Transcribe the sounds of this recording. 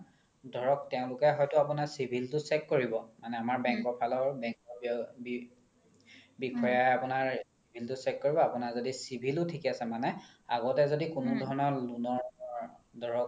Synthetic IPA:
dʱɔɹɔk̚tɛʊ̃lʊkɛɦɔjtʊapunaɹsibʱiltʊsɛkːoɹibɔmanɛamaɹbɛŋkɔpʰalɔɹbɛŋkɔbb | bikʰɔjaapunaɹsibʱiltʊsɛkːoɹibɔapunaɹzodisibʱilʊtʰikɛasɛmanɛ | aɡɔtɛzodikʊnʊdʱɔɹɔnɔɹlunɔɹ | dʱɔɹɔk

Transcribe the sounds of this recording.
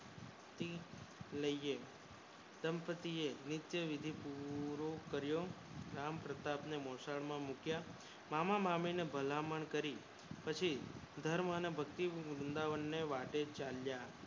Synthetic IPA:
t̪iləje | d̪̥əmpət̪ienɪt̪jəʋɪd̪ʱipuɾokəɾjoɾampɾət̪apnemosaɭmãmukja | mamamaminebʱəlaməɳkəɾi | pət͡ʃʰid̪ʱəɾmənebʱəkt̪iɾʊnd̪aʋənːeʋaʈet͡ʃalja

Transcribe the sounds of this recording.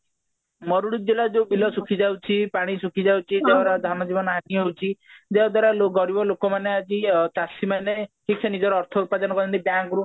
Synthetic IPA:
mɔɾuɽud̪elad͡ʒebilɔsukʰid͡ʒawt͡ʃʰipaɽ̃isukʰid͡ʒawt͡ʃʰid͡ʒeɦɔɾɔd̪ʱanɔd͡ʒibɔnɔɦakiɦewt͡ʃʰid͡ʒeɦɔd̪waɾaloɡɔɾibɔlokɔmanead͡ʒit͡ʃasimaneʈʰiksʰenid͡ʒɔɾɔːɾt̪ʰɔupad̪ɔnɔkɔɔnt̪ib̪jakɾu

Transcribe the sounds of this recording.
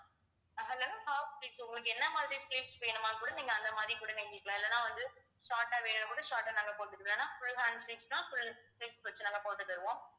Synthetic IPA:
ɦɐlːonaːhaːfsʈiːʈsʊŋɡlɯkːɯɛnːɐmaːðɪɾisʈeːʈspeːnɯmaːkuːɽɐniːŋɡɐɐnd̪ɐmaːðɾikuːɽɐʋeːŋɡɪɾkːɐɭãːɛlːɐnːãːʋɐnd̪ɯ | ʃaːʈaːʋeːnɐnɐkoːɽɐʃaːʈaːnaːŋɡɐpoːʈːɯkːlɐnːãːfʊlɦaːnsʈiːʈst̪ãːfʊlsʈeːʈspɐt͡ʃːɯnãːŋɡɐpoːʈ̪ːɯkːɐɾɯʋõː

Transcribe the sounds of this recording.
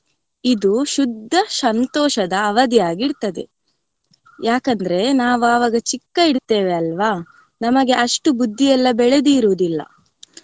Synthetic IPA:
id̪uʃud̪ʱːɐsɐnt̪ɔːʃɐd̪ɐːʋɐd̪ijaːɡiɽt̪ɐd̪e̞ | jaːkɐnd̪ɐɾe̞naːʋuɐʋɐːɡɐt͡ʃikːɐiɽt̪e̞ːʋeɐlʋa | nɐmɐɡe̞ʔɐʂʈubud̪ʱːijɛlːɐbɛɭed̪iːɾuːd̪ilːɐ̰

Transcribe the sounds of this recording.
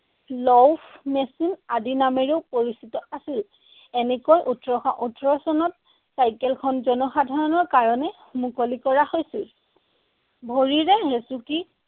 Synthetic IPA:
lɔwpʰmesinadinamɛɹeʊpoɹisitɔʔasil | ɛnɛkojʔutɹɔxɔʔutɹɔsɔnɔt̚ | sajkɛlkʰɔnzɔnɔxadʱɔɹɔnɔɹkaɹɔnɛ | mukolikɔɹahojsil | bʱoɹiɹɛɦesuki

